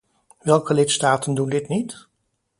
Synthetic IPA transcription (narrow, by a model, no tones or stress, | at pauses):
ʋɛlˠkəlɪtstaːtəndundɪtnit